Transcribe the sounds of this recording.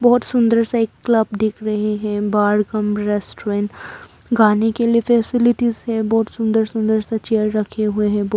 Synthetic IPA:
bɔːt̪sʊ̃nd̪əɾsaeːkːlɐb̚d̪ɪkʰɾɐɦeɦɛ̃baːɾɡəmɾɛːsʈɾẽːɳʈ | ɡaːnekeliefɛːsɪlɪʈizɦɛbɔːt̪sʊ̃nd̪əɾsʊ̃nd̪əɾsat͡ʃeːəɾɾɐkʰeɦueɦɛ̃b

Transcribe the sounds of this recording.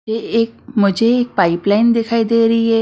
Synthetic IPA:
eeːk̚mʊd͡ʒʱeeːk̚paːɪplaːɪnd̪ɪkʰaːid̪eːɾɐɦiɦɛː

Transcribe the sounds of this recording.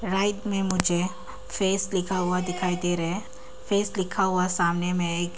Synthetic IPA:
ɾaːɪt̪mẽmʊd͡ʒʱe | feːslɪkʰaɦʊad̪ɪkʰaːit̪eɾɛe | feːslɪkʰaɦʊasaːmnemẽeːk

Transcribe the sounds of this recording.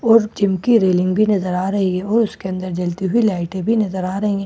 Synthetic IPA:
ɔːɾd͡ʒɪmkiɾeːlɪ̃ŋɡbʱinɐzəɾaːɾɐɦiɛ̃ɔːɾʊskeɐ̃nd̪əɾd͡ʒɐlt̪iɦʊilaːɪʈẽbʱinɐzəɾaːɾɐɦẽɛ̃ː

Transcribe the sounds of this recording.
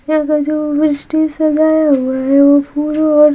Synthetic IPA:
jakad͡ʒoːbɾɪsʈisɐd͡ʒaːjaɦuaɦɛʋopʰuːɾɔːɾ

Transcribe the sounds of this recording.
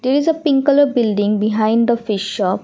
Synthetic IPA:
d̪eɾizəpɪ̃ŋkələbɪlɖĩŋbiɦãɪ̃nɖd̪əfiʃːɔp

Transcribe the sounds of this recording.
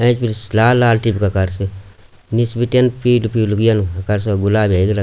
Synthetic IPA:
ɐ̃t͡ʃpiɾslaːlaːlʈibkakɐɾsɨ | nisbiʈenpilupilukjɐnkɐɾs̬aɡulaːbeɡlɐ

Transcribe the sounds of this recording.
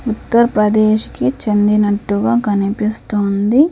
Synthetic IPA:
ut̪ːɐɾɐpɾɐd̪eːʃkit͡ʃɐnd̪inɐʈːuɡaːɡɐnipist̪oːnd̪i

